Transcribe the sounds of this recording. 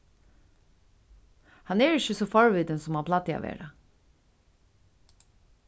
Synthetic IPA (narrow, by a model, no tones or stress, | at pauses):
hɑnɛɹɪçəsɔfɔɹʋiːd̪ənsɔmaːpʰlɑt̪ːɪa̰ʋḛːɹa